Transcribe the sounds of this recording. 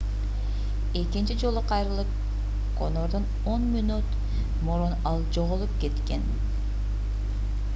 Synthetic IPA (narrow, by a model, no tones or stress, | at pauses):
e̞kint͡ʃid͡ʒo̞lˠoqʰɑjɾɯlˠɯp̚ | qo̞̰noɾd̪on | o̞nmʲinut̪ | moɾonɑlˠd͡ʒo̞ʁolˠup̚ke̞t̪ke̞n